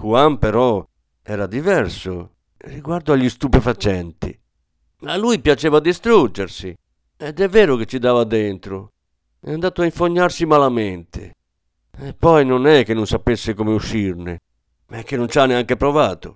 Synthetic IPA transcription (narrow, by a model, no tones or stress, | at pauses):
kuampɛɾɔ | ɛːɾad̪ivɛɾso | riɡwaɾd̪oaʎːist̪upɛfat͡ʃɛnt̪ḭ | alːujpjat͡ʃɛːvad̪ist̪ɾud͡ʒːeɾsi | ɛd̪ɛvːɛːɾok̟et͡ʃːid̪aːvad̪ent̪ɾo | ɛ̰and̪aːt̪oaiɱfoɲːaɾsimalamɛnt̪ʰḛ | ɛpːɔjnonɛk̟ːenːonsapesːekomeuʃːiɾne | maɛk̟ːenont͡ʃaneaŋkepɾɔvaːt̪o